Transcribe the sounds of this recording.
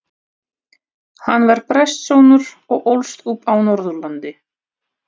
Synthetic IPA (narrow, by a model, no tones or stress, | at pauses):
hanːvaɾ̥pɾɛjst̪sownʏɾ | ɔɣʔowlst̪upawnɔɾðʏɾlant̪ɪ